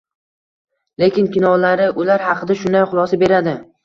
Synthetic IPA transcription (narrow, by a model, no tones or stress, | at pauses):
le̞kʲɪnkʲɪnɒlaɾɪʔʊlaɾhɑqʰɨd̪aʃʊnd̪ajχʊlˠɒsabe̞ɾad̪ɪ